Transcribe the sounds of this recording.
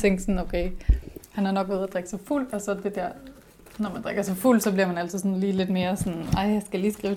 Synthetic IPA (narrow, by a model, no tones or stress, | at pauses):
t͡sʰeŋ̰ɡ̥sɔnoʊkʰeɪhænæɐnɒ̽ɡ̥ʋeðˠæd̥ʁeɡ̥sɑɪful̰̥ɒ̽sɒ̽d̥e̝d̥æɐ̰ | nɒmænd̥ʁɛɡ̥ɐsɒfuld̥sɒ̽bliɐmænæl̰t͡sʰið̩ˠsɔ̽nliːle̝d̥me̝ːɐsɒnɑ̈ɪ̰jɑsɡ̥æliːsɡ̥ʁiːʊ